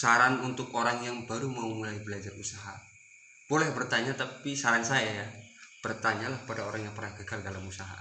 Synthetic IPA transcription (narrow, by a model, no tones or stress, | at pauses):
saɾanunt̪ʊkoɾaŋjaŋbaɾumaumulaibəlad͡ʒarusaɦa̰ | b̥olɛhbərt̪aɲat̪apisaɾansajajab̥ərt̪aɲalahpadaoɾaŋjaŋpərnahɡəɡaldalamusaɦa̰